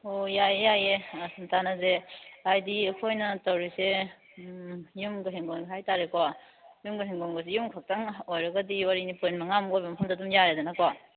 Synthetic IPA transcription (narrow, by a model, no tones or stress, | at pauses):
ojajejajesɐntanɐzeajdiɐkʰojnɐtɐwɾise | jumɡɯɦiŋɡonɡhajtaɾeka | jumɡɯɦiŋɡoŋɡɐsejumkʰak̚taŋojɾɐɡɐdiwaɾinipɯnmɐŋamojbɐmɐpʰɐmdadumjaɾedɐnakwa